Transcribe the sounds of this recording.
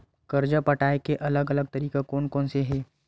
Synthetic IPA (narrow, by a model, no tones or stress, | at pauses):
kɐɾd͡ʒapɐʈaːekeʔɐləɡɐləɡ̚t̪ɐɾiːkakoːnkɔ̃ːnseɦeː